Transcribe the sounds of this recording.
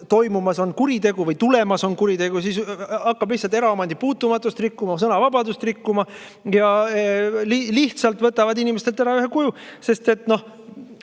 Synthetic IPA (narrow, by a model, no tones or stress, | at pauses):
t̪o̞jmumɑso̞nkuɾit̪e̞ɡ̥uvɯjt̪ule̞mɑso̞nkuɾit̪e̞ɡ̥usisɑkːɑb̥lihsɑlt̪e̞ɾɑomɑnd̪ipuːt̪ːˑumɑt̪ːˑust̪rikːumɑs̬ɤnɑvɑbɑd̪ust̪rikːumɑ | jɑ | liliht̪sɑlt̪ˑvɤt̪ːˑɑvɑd̪inimest̪elt̪æɾɑyɦe̞kujuse̞st̪e̞t̪no̞h